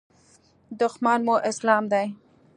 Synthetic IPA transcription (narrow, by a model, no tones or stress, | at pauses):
d̪ʊxmɑnmoʔɪslɑmd̪aj